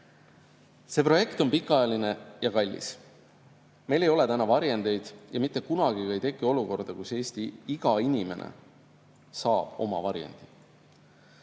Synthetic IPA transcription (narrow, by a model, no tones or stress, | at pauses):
se̞pro̞je̞kt̪o̞npikːˑɑjɑline̞jɑkɑlʲːḭs | me̞jlejo̞le̞t̪ænɑvɑɾjend̪e̞jd̪̥jɑmit̪ːˑe̞kunɑɡ̥iɡɑejt̪e̞kːˑio̞luko̞rd̪̥ɑkuse̞ːsʲt̪iiɡ̥ɑinʲime̞̰nḛ | sɑːb̥o̞̰mɑvɑɾjḛnd̪̥i